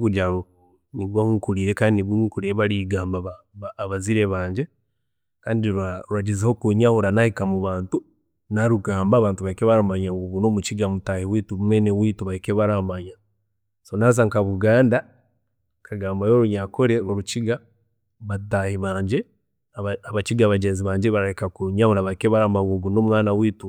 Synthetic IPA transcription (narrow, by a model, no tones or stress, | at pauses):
βuɟaɾo | niβwauŋkuɾiɾekaniniβukuɾiɾeβaɾiɡaːmbaβaβaːβaziɾeβaːɲd͡ʒe | kaːndiɾaɾuaɟezehokuɲauɾanahikamuβaːntu | naɾuɡaːmbaːβaːntuβaikeβaɾamaɲaβunoːmut͡ʃiɡamutahiwituβumenewiːtuβaikeβaɾamaɲa | sonaːzaŋkaβuɡaːnda | kʰaɡaːmbajo̞ɾuɲakoɾeɾoɾut͡ʃiɡa | βatahiβaːɲɟe | aβat͡ʃiɡaːβaɟeːnziβaːɲɟeβaɾahikakuɲahuɾaβaikeβaɾamaɡuɡuno̞ːmuŋaːnawiːtu